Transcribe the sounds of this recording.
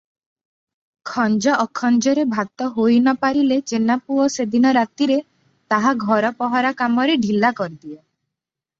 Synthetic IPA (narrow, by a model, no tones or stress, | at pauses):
kʰɔnd͡ʒɔʔːkʰɔnd͡ʒɔɾebʱat̪ɔɦojnɔpaɾilet͡ʃenapuɔsed̪inɔɾat̪iɾe | t̪aɦaɡʱɔɾɔpɔɦɔɾakamɔɾeɖʱilːakɔɾid̪ie